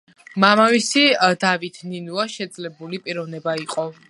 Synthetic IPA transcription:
mamavisid̪avit̪ʰninuaʃɛd̪zʼlɛbulipʼiɾɔvnɛbaiqʼɔ

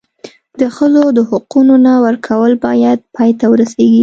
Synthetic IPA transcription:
d̪̥əxəzod̪əhʊqunonawəɾkʰawəlbɑjad̪̚pɑjt̪awəɾaseɡi

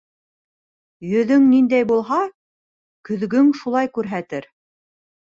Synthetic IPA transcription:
jɵ̆ðɵŋnind̪æjbulˠɦɑ | kɵ̆ðɡɵŋʃulˠɑjkʉɾɦæt̪ɘɾ

